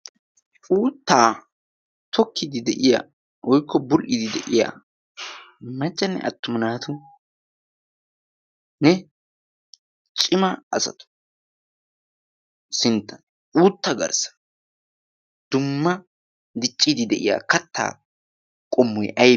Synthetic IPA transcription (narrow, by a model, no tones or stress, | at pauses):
uːt̪ːaː | t̪ʰɔkːɪd̪ɪd̪ɛʔɪja̰ː | wɔjkːɔbʊlʔɪd̪ɪd̪ɛ̰ʔɪja̰ː | mɐt͡ʃʼːɐnːɛ̰ʔɐ̰t̪ːʊmɪnaːt̪ʊ | nɛ | t͡ʃʼɪmɐɐ̰sɐ̰t̪ʊ̥ | sɪnt̪ʰːɐn | uːt̪ːɐɡɐ̰ɾsɐ̥ | d̪̥ʊmːɐ | d̪ɪt͡ʃʼːid̪ɪd̪ɛʔɪja̰ːkɐt̪ʰːa̰ː | kʼɔmːɔjʔɐj